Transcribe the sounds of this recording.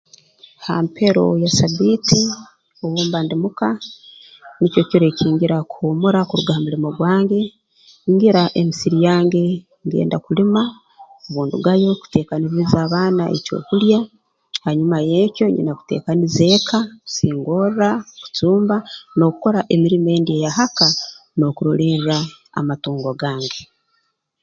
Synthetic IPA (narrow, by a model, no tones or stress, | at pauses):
ha̰ːmpʰe̞ɾo̞jasabiti | oβuːmbandimuka | nico̞coɾeciːŋɡiɾakuhomuɾakuɾuɡahamulimo̞ɡwaːŋɡe̞ | iŋɡiɾaʔe̞misiɾijaːŋɡe̞ | ŋɡe̞̰ːndakulima | oβuːnduɡajo̞ku̥te̞ːkaniɾizaːβaːnaʔḛco̞̰ːkulja | haɲumajeːco̞ɲḭnaku̥te̞̰ːkanize̞ːkʰau̥siːŋɡo̞rraku̥t͡suːmbano̞ku̥ko̞ɾaʔe̞miɾime̞ːndiejahaka | no̞kuɾoliɾra | a̰matuːŋɡoɡaːŋɡe̞